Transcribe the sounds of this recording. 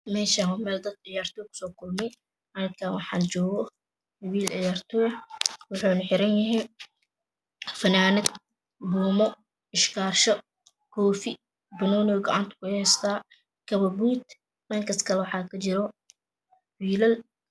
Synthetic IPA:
mɛːʃaːwmɛːld̪ɐd̪ʕɪjaːrt̪ʰɔːkʰʊ̥sɔːkʰʊlmɛj | ʔɐnɐkʰaːwɑħɑ̰ːnt͡ʃɔːɣɔ | ɐwiːlʕɪjaːrt̪ʰɔːwʊħuːnħɪɾɐnjɐɦɛj | fɐnaːnɪd̪ | bʊːmɔ | ɪʃkʰaːrʃɔ | kʰɔːfɪ | bɐnɔːnɔɡɔʕɑnt̪ʰʊ̥kʰʊhɛst̪ʰaː | kʰɐβɐbuːt̪ | mɐːŋkʰɐskʰɐlɛwɑħɑːkʰɐt͡ʃɪɾɔ | wiːlɐl

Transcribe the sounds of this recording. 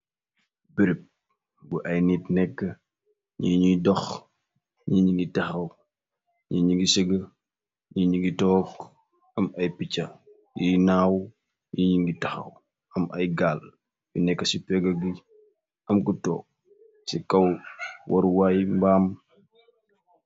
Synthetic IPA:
biɾip̚ | buʔɐjnitnɛkːɐ | ɲiːɲidɔx | ɲiɲiŋɡitɐxɐw | ɲiɲiŋɡisəɡɐ | ɲiɲiɡitɔːk | ɐmɐjpit͡ʃːɐ | jinaːw | jiɲiŋɡitɐxɐ̰w | ɐmɐjɡaːl | binɛkːəsipɛɡɐɡi | ɐmkutɔ̰ːk̚ | sikɐwwɐɾwajmbaːm

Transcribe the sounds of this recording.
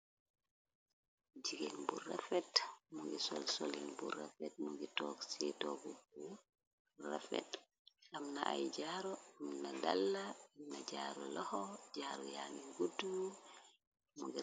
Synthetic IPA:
d͡ʒiɡenburːafɛtmuŋɡisɔlsolḭnburːafɛt̚muɡitɔksitɔɡɔbu | ra̰fɛ̰t | amnaʔajd͡ʒaɾɔamnadalːaamnad͡ʒaːɾɔ̰lɔhɔd͡ʒaːɾɔjaːŋiɡudu | muɡɛ

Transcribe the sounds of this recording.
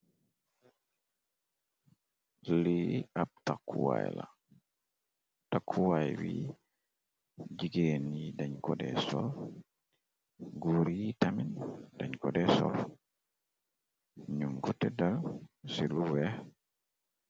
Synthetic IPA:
liab̚takʰːuwa̰jla̰ | takʰːuwajwḭ | d͡ʒiɡenidaɲkɔdɛ̰sɔl | ɡuɾitamindaɲkɔdɛsɔ̰l | ɲuŋɡutɛdalsiluwɛ

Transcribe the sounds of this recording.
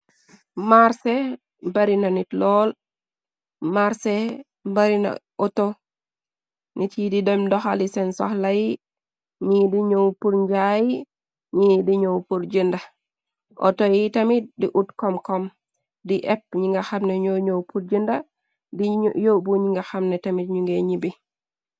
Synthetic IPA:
maɾsɛ | baɾinanitlɔl | maɾsɛ | baɾina̰ʔɔtɔ | nʔitididɛmdɔxalisɛnsɔ̰hlaji | ɲidiɲowpuɾɲd͡ʒaji | ɲidiɲowpuɾd͡ʒinda | ʔɔ̰tɔjitamit̚diʔutkɔmkɔm | diʔɛp̚ɲiŋɡaxamnɛɲoɲowpuɾd͡ʒinda | djobuɲiŋɡaxamnɛtamit̚ɲuŋɡeɲibi

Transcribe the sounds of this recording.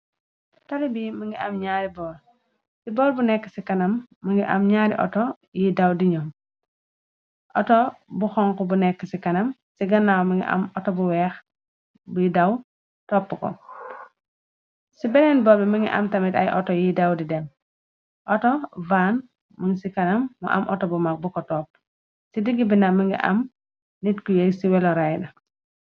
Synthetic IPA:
tɐɾibimɐŋɡiɐ̰mɲaːɾibɔːl | sibɔːlbunɛkːə̥sikɐnɐmːɐŋɡiʔɐ̰mɲaːɾḭʔɔ̰tɔ | jidɐwdiɲɔ | ʔɔtɔbuxɔŋkɔbunɛkːəsikɐnɐmsiɡɐnːawmɐŋɡḭʔɐ̰mɔtɔbuwɛːx | bujidɐw | tɔːpːukɔ̰ | sibɛnɛnbɔːbɛmiŋɡḭʔɐ̰mtɐmita̰jʔɔtɔjidawdidɛm | ʔɔtɔvan | muŋsikɐnɐmːṵʔa̰mʔɔtɔbumak̚bukɔtɔːp | sidiɡibinamiŋɡḭʔɐ̰m | nitkujeksiwɛlɔɾajɗɐ

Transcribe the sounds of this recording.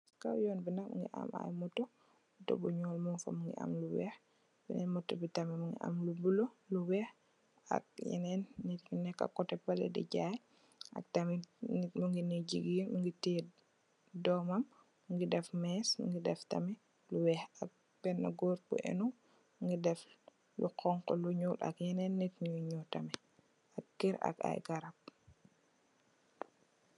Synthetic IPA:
ka̰wjɔːnbinak̚muŋɡḭʔa̰ma̰jmɔto | buto̰buɲɔːlmɔmfa̰muŋɡḭʔa̰mluwɛ̰x | binɛnmɔtːɔbitamɛmuŋɡḭʔa̰mlubuloluwɛx | a̰k̚jɛ̰nɛnːiɾunɛkːa̰kːɔtɛpalɛ̰dɛ̰ɟaj | ʔa̰k̚tamɛmuŋɡiniɟiɡimuŋɡitɛ | dɔːmɐm | ŋɡidɛfmɛːsṵŋɡidɛftɐmɛ | luwɛhak̚ | pɛnːɐɡɔːɾbṵʔɛ̰nu | ŋɡidɛf | luqɔŋkɔluɲulɐ̰kjɛnɛnːitɲuɲutɐmɛ | ak̚kiɾa̰ka̰jɡaɾap̚

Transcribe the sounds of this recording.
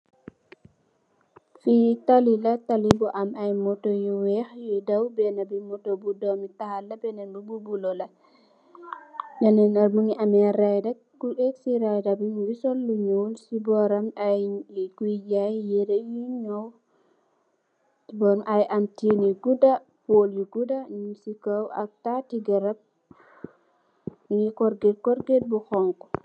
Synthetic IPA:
fitalilatalibɔʔamajmɔtojiwɛxjɛdawbɛnabimɔtobudɔmitahalːabɛnɛnlububulɔla | janɛnaɾmuŋiʔamɛɾajda | kuʔɛksiɾajdabiŋwisɔlːuɲowlsibɔɾamajikuid͡ʒajjɛɾɛjiɲaw | sibɔɾamʔajʔamtiniɡuda | poljuɡudaɲumsikawʔa̰k̚tatiɡaɾab̚ | ŋikɔɾɡɛd̚kɔɾɡɛd̚bukɔŋkɔ̥

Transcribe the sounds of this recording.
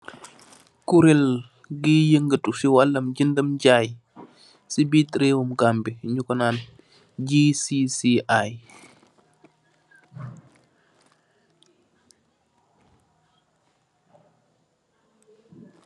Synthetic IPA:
kuɾɛl | ɡijəŋɡətusiwalːɐmɟindəmɟaːj | sibitɾewumɡambiɲukɔnaːn | d͡ʒisisiʔaj

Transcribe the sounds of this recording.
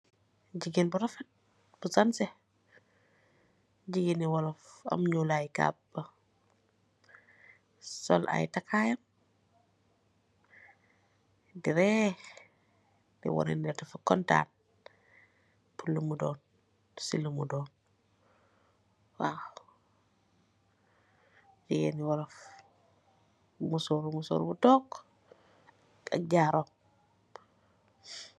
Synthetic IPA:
ɟiɡenbuɾɔfɛt̚ | b̥usansɛ | ɟiɡiniwɔlɔfa̰mɲulajka̰bə | sɔlʔa̰jtakʰaːjɐm | diɾɛ | dḭwɔ̰ɾɛ̰ndɛtafukɔnta̰ːn | pʰulːumudɔːn | silːumudɔːn | wa̰ | dijɛniwɔɾɔf | musoɾumuso̰ːɾubutɔːk | a̰k̚ɟaɾom

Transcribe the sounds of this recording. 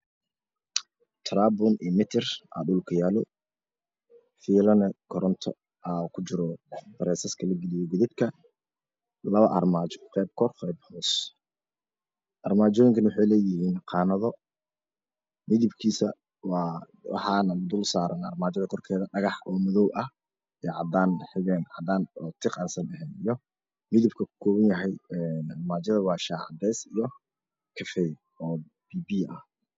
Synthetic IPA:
t̪ʰɾaːbʊniːmɪt̪ʰɪrʔa̰ːɖʊlkʰɐjaːlɔ̰ | fiːlɐnɛkʰɔɾɔnt̪ʰɔ̰ | aːkʰʊt͡ʃɪɾɔd̪̥ɐɾɛːsɐskʰɐlɐɡɪlɪjɔɡʊðɪbkʰɐ | lɐβɐʔɐ̰rmaːt͡ʃɔ̥qɛjb̚kʰɔrqɛːbħɔːs | ʔɐrmaːt͡ʃɔːjɪŋkʰɐnwʊħɑjlɛːjɪɦiːnqɑːnɐðɔ | mɪðɪbkʰiːsɐ | wɑː | wɑ̰ħɑːnɐʊd̪ʊlsaːɾɐnɐ̰rmaːt͡ʃɐðɐkʰɔrkʰɛːðɐɖɐɣɑħɔːmɐðɔwʔɐh | ɛʕɑd̪aːnħɪɣɛːnʕɑd̪aːnɔːt̪ʰɪqɑːnsɐnɐɦɛːnijɔ | mɪðɪb̚kʰɐkʊ̥kʰɔːβɐnjɐɦɛjɛnɐrmaːt͡ʃɐðɐwɑːʃaːʕɑ̰d̪ɛːsijɔ | kʰɐfɛj | ɔː | b̥iːbiːɐh

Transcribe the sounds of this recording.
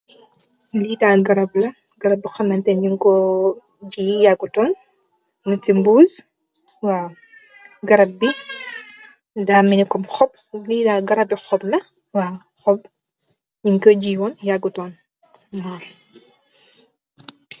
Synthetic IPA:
liːdaːɡɐɾɐblɐ | ɡɐɾɐbːixɐmɐntɛnɲiŋkɔ | ɟiːjaɡːutɔːn | nutimbuːz | waː | ɡɐɾɐbi | damːinikɔmxɔp̚ | liːdaːɡɐɾɐbixɔblɐ | waː | xɔb̚ | ɲiŋkɔɟiːwɔnjaɡːutɔːn | wa

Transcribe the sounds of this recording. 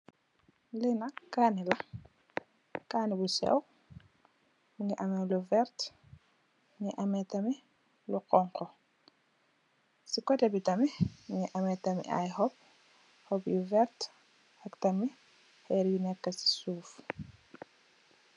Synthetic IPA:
linɐkːaːnilɐ | kaːnibusɛ̰w | muŋiʔɐmɛluvɛɾt | mŋiʔɐmɛtɐmi | luqɔŋqɔ | sikɔtɛbitɐmimuŋiʔɐmɛtɐmḭʔɐ̰jhɔp̚ | hɔpjuvɛɾt | ɐktɐmi | hɛːɾjunɛkːɐsi̥suːf

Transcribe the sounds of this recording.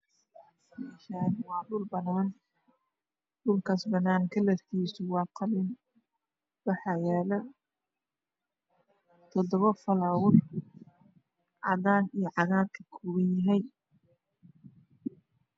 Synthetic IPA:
ɛʃaːnwɑːɖʊlbɐnaːn | ɖʊlkʰasbɐnaːnkʰɐlɐrkʰiːsʊwɑːqʰɑlɪn | bɑħɑjɛːlɐ | t̪ʰɔd̪ɔβɐfɐlaːwʊr | ʕɑ̰ðaːnijɞʕɑɣaːd̪kʰɐkʰɔːɣɐjɐɦɛj

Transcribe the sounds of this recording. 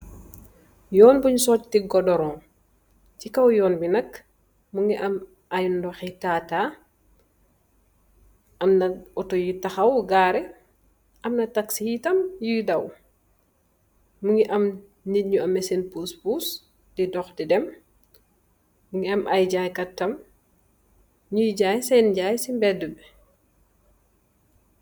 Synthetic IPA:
jɔːnbuɲsɔttiɡɔdɔɾɔ̃ː | cikɐwjɔːnbinɐk | muŋɡiʔɐm | ajndɔxɛtaːta | ʔɐmnɐɔtɔjitɐxɐwɡaːɾɛ | ʔɐmnɐtɐksihitɐmjudɐw | muŋɡiʔɐm | nidɲuɐmɛsɛnpuspuːs | didɔxdidɛm | muŋɡiamʔajɟaːjkɐtːɐm | ɲujiɟaːjsɛnɟaːjsimbɛdubɛ

